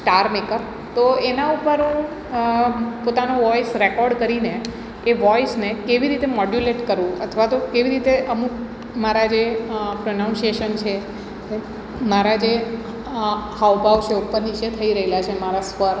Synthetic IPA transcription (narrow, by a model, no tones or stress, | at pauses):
ʈaɾmekəɾ | t̪oenaupəɾũ | pot̪anoʋɔisɾekɔɾɖkəɾineː | ʋɔisnekeʋiɾit̪emɔɖjuleʈkəɾʋũə̰t̪ʰʋat̪okeʋiɾit̪eʔəmuk | maɾad͡ʒepɾənãũnsieʃənt͡ʃʰe | e | maɾad͡ʒe | haʋbaʋt͡ʃʰeupəɾnit͡ʃet̪ʰəiɾəɦelat͡ʃʰemaɾasʋəɾ